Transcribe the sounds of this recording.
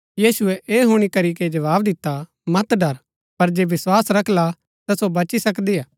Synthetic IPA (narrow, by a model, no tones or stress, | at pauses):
jiːsʊɛʔeːɦoːɽ̃ikɐɾiked͡ʒɐʋaːbd̪ɪt̪ːa | mɐt̪ɖɐɾ | pɐɾd͡ʒeːʋɪswaːsɾɐkʰla | t̪ɐsobɐt͡ʃisɐkd̪iːjaː